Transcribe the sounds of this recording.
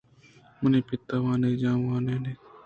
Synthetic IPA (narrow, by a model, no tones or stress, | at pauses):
mʊneːpɪt̪ːaːʋãːned͡ʒaːãːneːneː